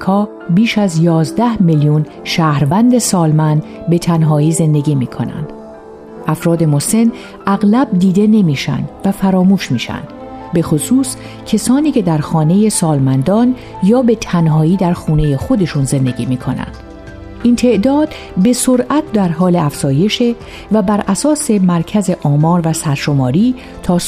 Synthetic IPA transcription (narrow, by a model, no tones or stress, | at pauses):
kʰɒː | biːʃæzjɒːzd̪æhmiljun | ʃæːhɾvænd̪e̞sɒːlmænd̪be̞t̪ʰænɦɒːiːze̞nd̪e̞ɟʲiːmiːkʰo̞̰næ̰nd̪̥ | ʔæfɾɒːd̪e̞mose̞n | ʔæɣlæb̚d̪iːd̪e̞ne̞miːʃæ̰nd̪̥væfæɾɒːmuːʃmiːʃæ̰nd̪̥ | be̞xosuːs | cʰesɒːniːcʰe̞d̪æɾxɒːne̞je̞sɒːlmænd̪ɒːn | jɒːbe̞t̪ʰænɦɒːiːd̪æɾxuːne̞je̞xo̞d̪e̞ʃunze̞nd̪e̞ɟiːmiːkʰo̞næ̰nd̪̥ | ʔint̪ʰe̞ʔd̪ɒːd̪̥ | be̞soɾʔæt̪̚ʰd̪æɾɦɒːleæfz̥ɒːje̞ʃe̞ | væbæɾʔæsɒːse̞mæɾcʰæze̞ʔɒːmɒːɾvæsæɾʃo̞mɒːɾiː | t̪ʰɒː